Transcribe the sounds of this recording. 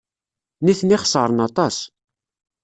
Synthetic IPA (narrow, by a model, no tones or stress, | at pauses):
niθniχə̥sˤəɾˤənɑt̪ˤɑs